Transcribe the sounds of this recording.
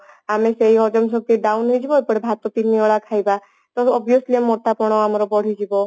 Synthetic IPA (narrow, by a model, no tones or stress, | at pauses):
ameseiɦɔd͡ʒɔmsɔk̚t̪iɖaunɦɔjd͡ʒibɔjpɔɽebʱat̪ɔt̪inːiɔɽakʰajba | t̪ɔɔbjɔsliemːɔʈːapɔɽ̃ɔamɔɾɔbɔɽ̤id͡ʒibɔ